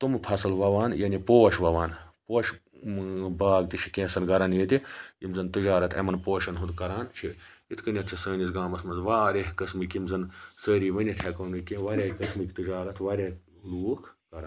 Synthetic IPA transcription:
t̪umpʰɐsɨlʋɐʋaːnjɐnipoːʃʋɐʋaːnpoːʃ | baːɡt̪it͡ʃʰi̥kʲẽːsɐnɡɐɾɐnjiːt̪ʲijimzɐnt̪ɨd͡ʒaːɾɐt̪ʰḛmɐnpoːʃɐnɦund̪kɐɾaːnt͡ʃʰiit̪ʰkɐnʲjɐt̪̚ʰt͡ʃʰisəːnisɡaːmɐsmɐnzʋaːɾeɦkɐsmɨkimzɐnsəːɾiːʋɐnʲɐt̪ʲʰekɐnɨkẽʋɐɾʲekɐsmɨkʲt̪ɨd͡ʒaːɾɐt̪ʰʋɐɾʲe | luːkʰkɐɾn

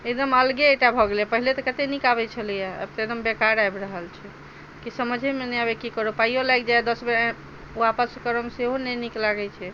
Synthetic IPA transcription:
ed̪əməlɡeeʈabʱɔɡlepəɦilet̪ɔkət̪enikabɛt͡ʃʰəlijaə̰bt̪ed̪əmbekaɾajbɾəɦəlt͡ʃʰɛ | kisəməd͡ʒʱemenɛabekikəɾopaijolajkd͡ʒaed̪əsbe | uapəskəɾəmseɦonɛniklaɡɛt͡ʃʰɛ

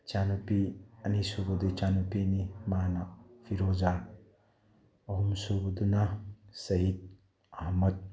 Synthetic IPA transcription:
t͡ʃanupiɐnisubɐd̪ut͡ʃanupinimanɐpʰiɾoza | ɐɦumsobɐd̪unɐsɐɦid̪̚ | ɐɦmɐt̪̚

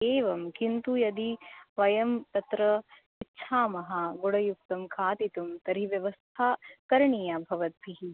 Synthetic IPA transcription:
eːʋɐmkint̪ujɐd̪iʋɐjɐmt̪ɐt̪ɾɐ | itːʃʰaːmɐɦɐɡoɽɐjuk̚t̪ɐmkʰaːt̪it̪umt̪ɐɾiʋjɐʋɐst̪ʰaːkɐɾɳijabʱɐʋɐt̪̚bʱiɦi

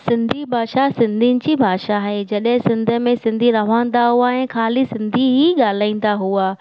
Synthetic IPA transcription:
sɪ̃nd̪ʱibʱaːʃasɪ̃nd̪ʱinɪ̆t͡ɕibʱaːʃaɦed͡ʑɐɗɦɪ̃sɪ̃nd̪ʱə̆mẽsɪ̃nd̪ʱiɾɐʋ̤ãːnd̪aɦuaɛ̃ːkʰaːlisɪ̃nd̪ʱiɦiɠaːl̤aːĩn̆d̪aɦuaː

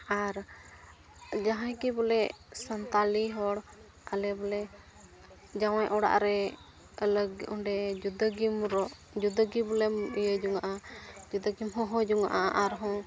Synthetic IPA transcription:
aɾ | d͡ʒaɦãjkibɔlɛsant̪aliɦɔɽ | alɛbɔlɛ | d͡ʒawajʔɔɽa̰ʔɾɛ | lɡuɳɖɛd͡ʒud̪aɡimɾɔʔ | d͡ʒud̪aɡibɔlɛmijəd͡ʒuŋaʔad͡ʒud̪aɡimɦɔ̃ɦɔ̃d͡ʒuŋaʔaʔʔaɾɦɔ̃

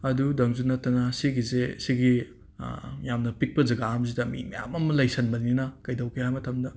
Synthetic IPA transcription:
ɐdudɐŋzunɐtːɐnɐsiɡizesiɡi | jamnɐpik̚pɐzɐɡaːms̬idɐmḭmɐ̰ja̰mɐmɐlɐjsɐnbɐnininɐkɐjdawkʰihajmɐtʰɐmdɐ

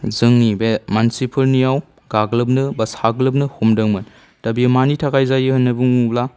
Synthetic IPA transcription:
zɯŋnibemansipʰɐlnijaw | ɡaɡlɯp̬̚nɯbɐsaɡlɐp̬̚nɯhumdɐŋmɯn | tɐbiɐmanitʰakajzajɯhɐnːɐbuŋubla

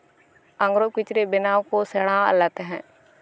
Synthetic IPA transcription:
ə̃ŋɡɾoːkɪt͡ʃɾebɪnaːkoseɽãə̰lət̪ɦɛ̰̃ː

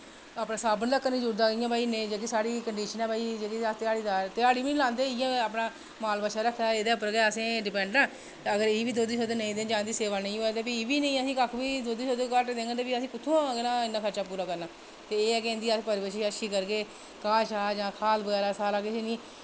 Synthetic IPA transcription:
aːpnãːsaːbənləkːnĩːd͡ʒuːɾd̪aːɪjãːbaːiːnẽːd͡ʒeːkisaːɽiːkəɳɖiːʃənɛːbaːiːd͡ʒeːkit̪ɪaːɽiːd̪aːt̪ɪaːɽiːʋĩːlãːnd̪eːɪjãːaːpnaː | maːlbəʃaːɾək̪ʰːaːeːd̪eːpəɾɡɛːəsẽːɖɪpɛ̃ːɳɖãː | t̪ːəɡəɾebiːd̪oːd̪iːsoːd̪eːnəĩːd̪eːnd͡ʒãːnd̪iːseːʋaːnəĩːɦot̪eːpiːbiːnə̃ĩːəsĩːkəkʰbiːd̪oːd̪iːsoːd̪ekəɾʈd̪eːɡet̪eːpiːəsĩːkʊt̪ʰːõːaːɡenãːɪnːaːkʰəɾt͡ʃaːpuːɾaːkəɾnaː | t̪eːeːɛːkẽːnd̪iːapəɾbəʃiəʃʰiːkəɾɡeː | kaːʃaːd͡ʒãːkʰaːlbəɡɛːɾaːsaːlaːkɪʃeːnĩː

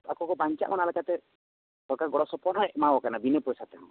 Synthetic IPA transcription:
akɔkɔbaɲt͡ʃa̰ʔmanalɛkat̪ɛ | bɔɾkaɡɔɽɔsɔpɔɾnɔɛʔmawɔkanabinepɔjsat̪ɛã

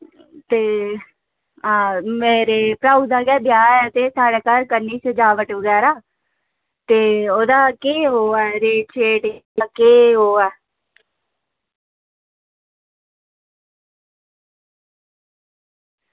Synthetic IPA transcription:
t̪eː | meːɾeːpɾaːud̪aːɡɛːbjaːɛːt̪eːsaːɽeːkəɾkənːiːsəd͡ʒaːʋəʈʋəɡɛːɾaː | t̪eːoːd̪aːkeːɦoːɛːɾeːt͡ʃʰeːʈaːkeːɦoːɛː

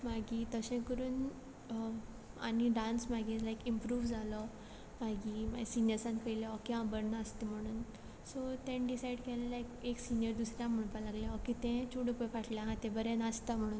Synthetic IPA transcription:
maɡit̪əsɛ̃kəɾuːn | a̰ñiɖãnsmaɡilajkimpɾuːʋd͡zalɔ | maɡimasinjəɾsãnkəjleɔkiãbəɾnaəst̪em̤əɽ̃uːn | sot̪ẽnɖisajɽkɛlalajkeksinjəɾd̪usɾjãm̤əɽ̃palaɡljaɔkit̪ɛ̃t͡ɕʰuɽupəfaʈljãɦãt̪ẽbəɾẽnəst̪am̤əɽ̃uːn

